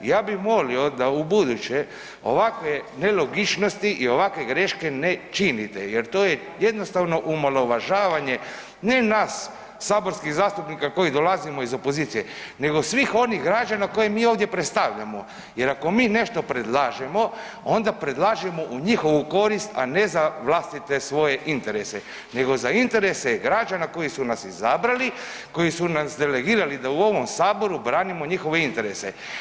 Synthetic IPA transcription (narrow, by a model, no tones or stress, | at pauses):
jaːbixmolio̞d̪aubud̪ut͡ɕe̞ | o̞̰ʋakʋene̞lo̞ɡit͡ʃno̞st̪iʔio̞ʋakʋe̞ɡɾeʃkenet͡ʃinit̪ḛjeɾt̪oːje | je̞d̪no̞st̪aʋno̞ʔumalo̞ʋaʒaːʋaɲe̞ | ne̞naːsː | aːbo̞ɾskiɣzaːst̪upnikako̞jid̪o̞lazimo̞izo̞po̞ziːt̪ijene̞ɡo̞sʋixo̞niɣɡɾad͡ʒanakojemiːovd̪je̞pɾet̪st̪aʋʎa̰mo | je̞ɾako̞miːne̞ʃt̪o̞pɾed̪lˠaːʒemo̞ | ond̪apɾed̪lˠaːʒemo̞ʔuɲixo̞ʋuko̞ɾist̪a̰ne̞zaʋlast̪it̪e̞sʋo̞je̞ʔint̪e̞ɾe̞se̞ | ne̞ɡo̞zaint̪e̞ɾe̞se̞ɡɾad͡ʒanako̞jisunasizabɾali | ko̞jisunasd̪e̞le̞ɡiːɾalid̪auo̞ʋo̞msaːbo̞ɾubɾaːnimo̞ɲixo̞ʋe̞int̪e̞ɾe̞se̞̰